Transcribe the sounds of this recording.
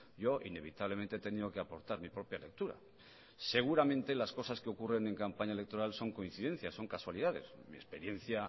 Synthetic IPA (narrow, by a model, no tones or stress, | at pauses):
ʝo̞ʔine̞β̞it̪aβlement̪eet̪e̞niðo̞keapo̞ɾt̪aɾmipɾo̞pjale̞k̚t̪uɾa̰ | se̞ɣ̞uɾamẽ̞nt̪e̞lasko̞saskeo̞kure̞ne̞ŋkampaɲaelek̚t̪o̞ɾalso̞ŋko̞in̟θiðe̞n̟θjaso̞ŋkaswaliðaðe̞̰smiespe̞ɾje̞nθja